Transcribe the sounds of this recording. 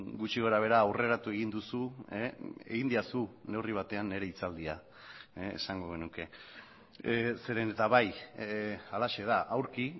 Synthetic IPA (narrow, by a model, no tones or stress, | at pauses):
ɡut͡ʃiɣo̞ɾaβ̞e̞ɾaːwre̞ɾat̪ue̞ɣ̞ind̪usueḛɣind̪iasune̞wriβ̞at̪e̞anːe̞ɾe̞it͡sald̪ia | ḛːsaŋɡo̞ɣe̞nuke̞ | se̞ɾenet̪aβaj | alaʃe̞ðaʔawɾki